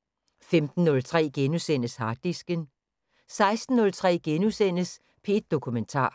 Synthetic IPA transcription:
femd̥n̩ːɔ̽lt͡sʰʁɛ̰ːɡ̥enusen̰əshɑ̈ːd̥isɡ̥ən | sɑ̈ɪsd̥n̩nɔ̽lt͡sʰʁɛ̰ːɡ̥enusen̰əs | pʰe̝d̥̚ːo̝kʰument͡sʰɑ̰̈ː

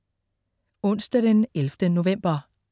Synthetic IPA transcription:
ɔ̽n̰sd̥æd̥enelfd̥əno̝ʋem̰b̥ɐ

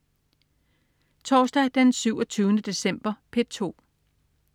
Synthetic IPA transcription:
t͡sʰɒːsd̥æd̥ensyʊ̰ɒ̽t͡sʰyːʊnəd̥e̝sem̰b̥ɐpʰe̝̥t͡sʰo̝̰ː

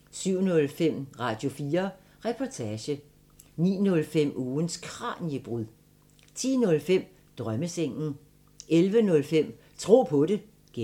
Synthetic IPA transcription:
syʊ̰nɔ̽lfem̰ʁɑ̈ːd̥jo̝fiːɐ | ʁɛpʰɒt͡sʰæɕə | nḭːnɔ̽lfem̰uːnskʰʁɑ̰̈ːnəb̥ʁuð̰ˠ | t͡sʰḭːnɔ̽lfem̰ | d̥ʁɶməseŋ̰n̩ | elʋənɔ̽lfem̰ | t͡sʰʁo̝̰ːpʰɔ̽ɾe̝ | ɡ̥e

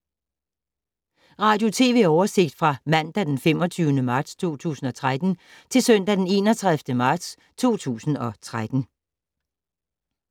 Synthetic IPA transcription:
ʁɑ̈ːd̥jo̝t͡sʰe̝ːʋe̝ɒʊɐse̝ɡ̥̚d̥fʁɑ̈mæn̰d̥æd̥enfem̰ɒ̽t͡sʰyʊnəmɑ̈ːd̥st͡sʰo̝̰ːt͡sʰṵːsn̩ɒ̽t͡sʰʁad̥n̩t͡sʰe̝lsœn̰d̥æd̥ene̝ːnɒt͡sʰʁaðˠfd̥əmɑ̈ːd̥s | t͡sʰo̝̰ːt͡sʰṵːsn̩ɒ̽t͡sʰʁad̥n̩

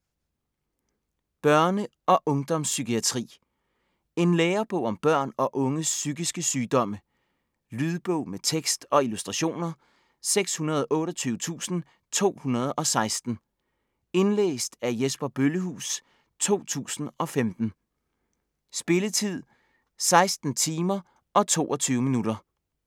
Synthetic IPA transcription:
b̥ɶɐnə | ɒ̽ʔɔ̽ŋd̥ɒ̽msːykiæt͡sʰʁḭː | e̝nleːɐb̥ɔʊ̰ɒ̽mb̥ɶɐ̰nɒ̽ʔɔ̽ŋəsːyɡ̥isɡ̥əsyːd̥ɒ̽mə | lyð̞ˠb̥ɔʊ̰met͡sʰeɡ̥sd̥ɒ̽ilusd̥ʁɑ̈ɕo̝̰ːnɐ | seɡ̥shunɐð̞ˠɒʔɔ̽ːɾɒ̽t͡sʰyːʊt͡sʰṵːsn̩ | t͡sʰo̝̰ːhunɐð̞ˠɒ̽sɑ̈ɪsd̥n̩ | e̝nlḛːsd̥æɐjesb̥ɐb̥øləhṵːs | t͡sʰo̝̰ːt͡sʰṵːsn̩ɒ̽femd̥n̩ | sb̥e̝lət͡sʰið̰ˠ | sɑ̈ɪsd̥n̩t͡sʰiːmɐ | ɒ̽t͡sʰo̝̰ːʔɒ̽t͡sʰyːʊminuɾɐ

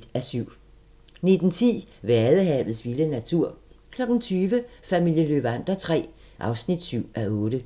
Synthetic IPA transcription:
æsyʊ̰ | ne̝d̥n̩t͡sʰḭːʋeæɐðˠəɦɛ̰ːʋð̩ˠsʋilənæt͡sʰuɐ̰ | kʰlɒ̽ɡ̥n̩t͡sʰyːʋəfæmil̰jəløbæn̰d̥ɐt͡sʰʁɛ̰ː | ʔɑ̈ʊsnid̥syʊ̰ʔæʔɔ̽ːɾ̥ə

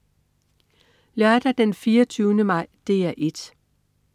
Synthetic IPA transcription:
lɶɐd̥æd̥enfiːɐt͡sʰyːʊnəmɑ̈ɪ̰d̥e̝ːæʔe̝d̥

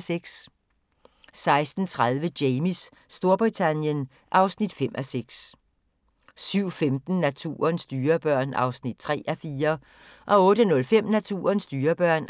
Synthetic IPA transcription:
seɡ̥s | sɑ̈ɪsd̥n̩t͡sʰʁað̞ˠʋədeɪmisː | d̥o̝ɐb̥ʁit͡sʰænjən | ʔɑ̈ʊsnid̥fem̰ʔæseɡ̥s | syʊ̰femd̥n̩næt͡sʰṵːɐnsd̥yːɐb̥ɶɐ̰nʔɑ̈ʊsnid̥̚t͡sʰʁɛ̰ːʔæfiːɐ | ʔɒ̽ɔ̽ːɾənɔ̽lfem̰næt͡sʰṵːɐnsd̥yːɐb̥ɶɐ̰n

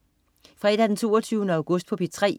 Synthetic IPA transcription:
fʁɛːd̥æd̥ent͡sʰo̝̰ːɐt͡sʰyːʊnəɑ̈ʊɡ̥ɔ̽sd̥̚pʰɒ̽pʰi̥t͡sʰʁɛ̰ː

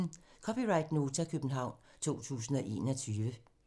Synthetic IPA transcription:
n̩kʰɒpʰiʁɑ̈ɪd̥no̝ːt͡sʰækʰøb̥n̩ɦɑ̈ʊ̰nt͡sʰo̝̰ːt͡sʰṵːsn̩ɒ̽ʔe̝̰ːnɒt͡sʰyːʋə

